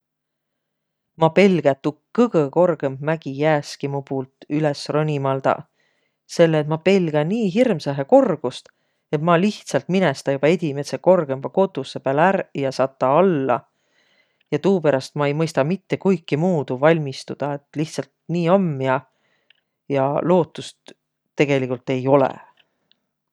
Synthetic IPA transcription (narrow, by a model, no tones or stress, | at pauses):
mɑpe̞lɡ̥æt̪ːukːɤɡ̥ɤko̞rɡ̥e̞mbmæɡ̥ijæːskimupuːlt̪ˑylesronʲimɑld̪̥ɑ̰ | se̞lːeːt̪mɑpe̞lɡ̥æniːɦirmsɑɦeko̞rɡ̥ust̪ | e̞t̪mɑliht̪sɑlt̪minest̪ɑjubɑe̞d̪ʲime̞t̪seko̞rɡ̥e̞mb̥ɑko̞t̪usepælærjɑsɑt̪ˑːɑɑlːɑ̰ | jɑt̪uːpeɾɑst̪mɑe̞jmɤjst̪ɑmit̪ːe̞kujkːimuːd̪̥uvɑlʲmist̪ud̪̥ɑe̞t̪ːˑliht̪sɑlt̪niːɑmːiɑ | jɑlo̞ːt̪ːˑust̪ː | e̞ɡ̥e̞likˑult̪ːe̞jo̞lḛ